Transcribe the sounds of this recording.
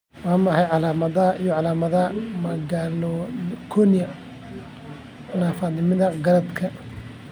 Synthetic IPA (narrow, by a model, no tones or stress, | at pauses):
waːmɑħɑjʕɑlaːmɐðɐʔijɔʕɑlaːmɐðɐmɐɡalɔkʰɔnɪjɐ | ʊnaːfaːd̪nɪmɪðɐɡɐɾɐd̪kʰɐ